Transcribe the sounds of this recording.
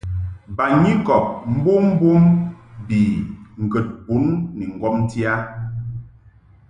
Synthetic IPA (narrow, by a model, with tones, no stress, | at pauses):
ba˨ɲi˦kɔ˨p̚m̩˦bo˦m̩˦bu˦mbi˨ŋ̩˨ɡə˨t̚bu˨˦nːi˨ŋ̩˨ɡɔ˦mn̩˦ti˦a˦